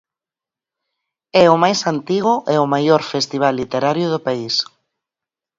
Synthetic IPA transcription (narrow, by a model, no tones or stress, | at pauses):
ɛʊmajsant̪iɣʊʔeʊmajoɾfest̪iβalːit̪eɾaɾjʊðʊpais